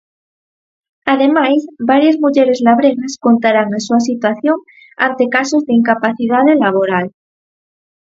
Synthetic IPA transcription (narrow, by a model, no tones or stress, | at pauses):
aðe̞majsbaɾjazmuʝe̞ɾe̞zlaβ̞ɾe̞ɣasko̞nt̪aɾaŋensuas̬it̪waθjo̞ŋ | a̰nt̪e̞kaso̞zðeiŋkapaθið̞aðelaβ̞o̞ɾal